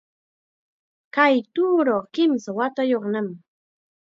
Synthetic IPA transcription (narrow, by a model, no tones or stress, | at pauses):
kajt̪uːɾoχkɪmsawat̪ajoχnam